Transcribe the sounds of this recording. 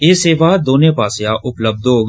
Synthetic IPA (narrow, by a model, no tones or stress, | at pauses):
eːseːʋaːd̪oːnẽːpaːsjãːʔʊpləb̚d̪ɦoːɡ